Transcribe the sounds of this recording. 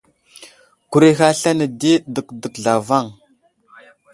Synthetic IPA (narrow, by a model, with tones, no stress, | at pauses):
ku˨ɾe˦xa˦ɬa˦nə˨di˦də˨kdə˨kɮa˨va˦˨ŋ